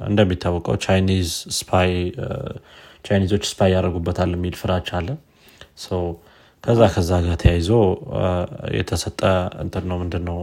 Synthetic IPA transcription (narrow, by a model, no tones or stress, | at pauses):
ʔɨ̰nd̪əmːit̪ʰːawɔkʼə̰wt͡ʃʰajnizspʰaj | t͡ʃʰajnizo̞t͡ʃːspʰajjaɾəɡubːət̪ʰalːəmːilfɨɾat͡ʃalːə | səw | kʰəzːakʰəzːaɡat̪ʰəjajzəw | jɛ̰t̪ʰəsət̪ʼːəɨ̰nt̪ʼɨdnːəwmɨnd̪ɨnːəw